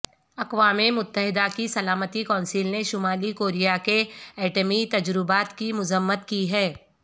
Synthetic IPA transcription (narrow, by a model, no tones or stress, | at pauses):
ɐqʋaːmemʊt̪ːəɦɪd̪akisɐlaːmət̪ikɔ̃ːnsiːlneʃʊmaːlikoːɾijakeɛːʈəmit̪ɐd͡ʒɾɪbaːt̪kimʊzəmːət̪kiɦɛː